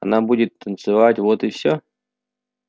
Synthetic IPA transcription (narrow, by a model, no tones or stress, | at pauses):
ɐ̰nabudʲɪt̪ːənt̪sɨvatʲvot̪ɨfsʲo